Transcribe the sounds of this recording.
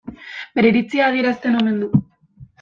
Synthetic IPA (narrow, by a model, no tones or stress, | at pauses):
beɾe̞ɾit͡siaːð̞ie̞ɾast̪e̞no̞me̞nd̪u